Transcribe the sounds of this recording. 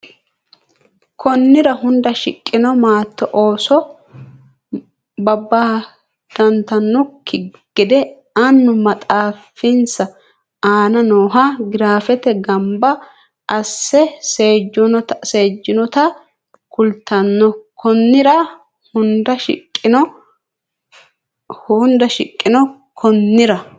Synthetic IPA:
kʰɔnːɪɾɐɦʊnd̪ɐʃɪ̰kʼːɪnɔmaːt̪ːɔʔoːsɔ | bɐbːaː | d̪̥ɐnt̪ɐnːɔkʰɪɡ̥ɪd̪ɛ | ɐnːʊmɐt̪ʼaːfɪnsɐ | aːnɐnoːɦɐɡɪɾaːfɛt̪ɛɡɐmbɐː | sːɛseːd͡ʒɔnɔt̪seːd͡ʒːɪnɔt̪ɐ | kʊlt̪ːɐnːɔkʰɔnːɪɾɐ | hʊnd̪ɐʃɪkʼːɪnɔ | hʊnd̪ɐʃɪkʼːɪnɔkʰɔnːɪɾɐ

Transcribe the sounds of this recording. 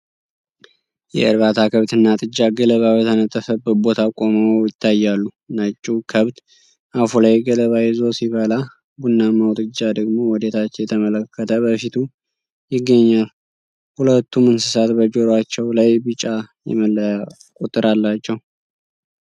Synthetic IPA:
jɛ̰əɾβat̪ʰakʰəβt̪ʰɨnːat̪ʼɨd͡ʒːaɡələβawjət̪ʰənət̪ʼːəfəbəbo̞t̪ʰakʼo̞məjɪt̪ʰːajːalːu | nat͡ʃʼːukʰəβt̪ | ʔafulajɡələβajɛzo̞siβəla | bunːamawt̪ʼɨd͡ʒːad̪əɡmo̞wɔd̪et̪ʰat͡ʃːɛjɛt̪ʰəmələkːət̪ʰəbəfit̪ʰu | jɪɡːəɲːal | hulət̪ʰːumɨnsɨsat̪bəd͡ʒoɾat͡ʃːɛwlajbɨt͡ʃʼajɛ̰məl | kʼut̪ʼːɨɾʔalːat͡ʃːɛw

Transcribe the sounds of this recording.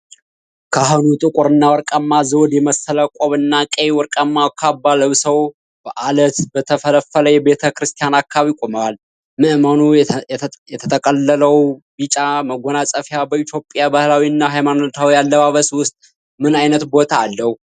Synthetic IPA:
kʰaɦunut̪ʼɨkʼʊɾɨnːawɔɾkʼəmːazowd̪jɛməsələkʼoβɨnːakʼewɔɾkʼəmːawkʰabːaləβsəw | b̥əʔalət̪bət̪ʰəfələfːələjɛbe̞t̪ʰəkɾɨst̪ʰijanakʰːaβikʼoməwal | mɨʔmənu | jɛt̪ʰət̪ʰəkʼəlːələwbit͡ʃʼaməɡonasʼəfjabəit̪ʰjo̞pʼjabəhlawiɨnːaɦajmanot̪ʰawijalːəβaβəswʊst̪ʼ | mɨnajnət̪bo̞t̪ʰaːlːəhu

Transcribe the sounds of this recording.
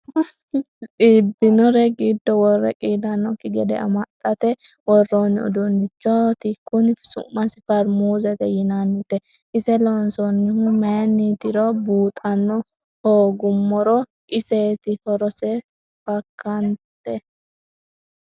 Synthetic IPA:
t͡siːbːɪnɔɾɛɡɪd̪ːɔwɔrːɛ̰kʼiːlɐnːɔkɪɡɛd̪ɛ̰ɐ̰mɐt̪ʼːɐt̪ɛ | wɔrːoːnːɪʊ̰d̪ʊnːɪt͡ʃːɔt̪ɪkːʊnɪsʊ̰mːɐsɪfɐɾmuːzɛt̪ɛjɪnanːɪt̪ɛ | ʔɪsɛlɔnsɔnːɪhʊmeːnːit̪ɪɾɔbuːt̪ʼɐnːɔ | hoːɡʊmːɔɾɔ | ʔɪseːt̪ɪhɔɾɔsɛ | fɐkʰːɐnt̪ɛ

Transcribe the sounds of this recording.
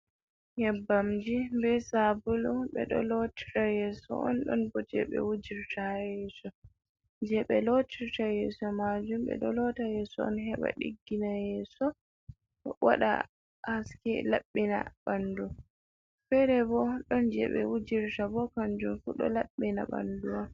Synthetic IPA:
hɛbːamd͡ʒimbɛsabulɔɓɛɗɔlɔti̥tajɛːsɔ̰ʔɔnɗɔnbɔtɛ̰ɓɛ̰wud͡ʒiɾtajɛsɔ | d͡ʒɛɓɛlotiɾtajɛsɔmad͡ʒumɓɛ̰ɗɔlɔtajɛsɔɔ̰nɦɛɓa̰ɗḭɡːinajɛsɔ | wa̰ɗa̰ | haskɛ̰laɓːina̰bandu | fɛɾɛbɔɗɔnd͡ʒɛ̰ɓɛ̰wud͡ʒiɾtabɔkand͡ʒumfuɗɔ̰laɓːina̰ba̰nduwa

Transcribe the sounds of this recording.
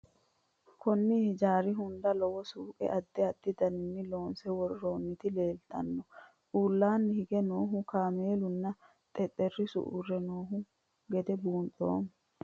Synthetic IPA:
kʰɔnːɪhɪd͡ʒaːɾɪɦʊnd̪ɐlɔwɔsuːkʼɛ̰ʔɐd̪ːɛɐd̪ːɪd̪ɐnɪnːɪlo̞ːnsɛwɔɾʊɾo̞ːnːɪt̪ɪleːlt̪ɐnːɔ | ʔuːlːaːnːɪhɪɡɛnoːɦʊkaːme̞ːlʊnːɐ | t̪ʼɛt̪ʼːɛrːɪsʊ̰ʔṵːrːɛnoːɦʊ | ɡɛd̪ɛbuːntʼo̰ːm

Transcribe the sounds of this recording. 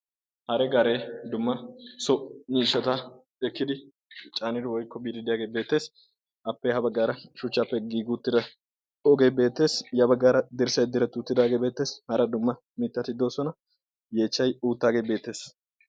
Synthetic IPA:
hɐɾɛɡaɾe̞ːd̪ʊmːɐsɔniːʃːɐt̪a | ɛkːɪd̪ɪ | t͡ʃʼaːnɪd̪ɪwɔjkːɔbiːd̪ɪd̪ɪjaːɡe̞ːbe̞ːt̪ːe̞ːs | ʔɐpːɛhɐbɐɡːaːɾɐʃʊt͡ʃːapːɛɡiːɡuːt̪ːɪd̪ɐ | ɔɡe̞be̞ːt̪ːe̞ːsjɐbɐɡːaːɾɐd̪ɪɾsɐjd̪ɪɾɛt̪uːt̪ːɪd̪aːɡeːbe̞ːt̪ːe̞ːshɐɾɐd̪ʊmːɐ | mɪt̪ːɐt̪ɪd̪o̞ːsɔnɐ | je̞ːt͡ʃːɐjuːt̪ːaːɡe̞ːbe̞ːt̪ːe̞ːs

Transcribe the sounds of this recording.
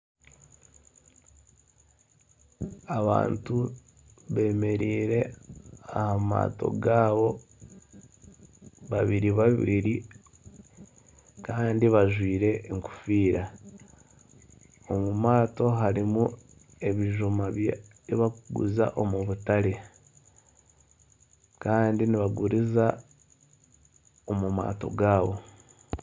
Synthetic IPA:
aβa̰ːntu | βe̞ːme̞ɾiːɾe̞ahama̰ːto̞̰ɡaːβo̞ | βaβiɾiβaβiɾi | kaːndiβaʒwiːɾe̞ŋku̥fiːɾa | omumaːto̞ɦaɾimu | e̞βiʒumaβj | iβakuɡṵza̰ʔo̞muβutale̞ | kaːndiniβaɡuɾiza | omuma̰ːto̞̰ɡaːβo̞

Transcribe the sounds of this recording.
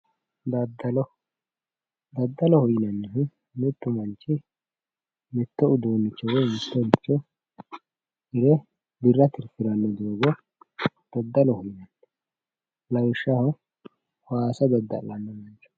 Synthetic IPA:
d̪ɐd̪ɐlɔ | d̪ɐd̪ːɐlɔhɔjɪnɐnːɛɦ | mʊt̪ːʊmɐnt͡ʃːɪ | mɪt̪ːɔʊd̪oːnːɪt͡ʃːɔwɔjmɛt̪ːɔnɪt͡ʃːɔ | ɪɾɛ | d̪ɪrːɐt̪ɪɾfɪɾɐnːɔd̪ɪoːɡɔ | d̪̥ɐd̪ːɐlɔhʊjɪnɐnːɛ | lɐjʃːɐhɐ | waːsɐd̪ɐd̪ːɐ̰lːɐnːɔmɐnt͡ʃːɔ̥

